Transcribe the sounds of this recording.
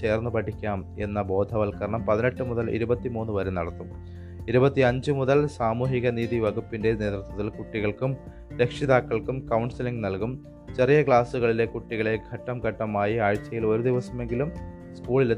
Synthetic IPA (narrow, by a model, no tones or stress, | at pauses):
t͡ɕe̞ːrnːupɐʈʰikʲːaːme̞nːɐbo̞ːd̪ʱɐʋɐlkɐɾɐɳɐmpɐðineʈːɨmuðɐlʔḭɾubɐt̪ːimuːnːuʋɐɾumnɐ̰ɽɐt̪ːum | iɾubɐt̪ːiɐɲd͡ʑɨmuðɐlsaːmuːɦiɣɐniːðiʋɐɡupːinde̞ne̞ːt̪rut̪wɐt̪ːilkuʈːiɣɐɭkum | ɾe̞kʂiðaːkːɐɭkumkɐwɳɖsiliŋɡnɐlkum | t͡ɕerijɐkɭaːsuɣɐɭile̞kuʈːiɣɐɭe̞ɡʰʱɐʈːɐmkɐʈːɐmaːjiaːɻt͡ɕːɐjilo̞ɾud̪iʋɐsɐme̞ŋɡilum | skuːɭile